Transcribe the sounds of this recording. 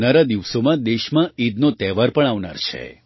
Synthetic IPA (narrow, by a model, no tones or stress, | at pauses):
naɾad̪iʋsomãd̪eʃmãid̪not̪ɛʋaɾpəɳ̃aʋna̰ɾt͡ʃʰḛ